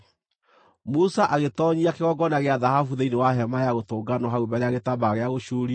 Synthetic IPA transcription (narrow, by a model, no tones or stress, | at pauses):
musaʔaɣetɔɲiakeɣɔɡɔnaɣeaðahafuðeinewaɦɛmajaɣotoːɡanɔɦauβɛɾeaɣetabaɣeaɣoʃoɾi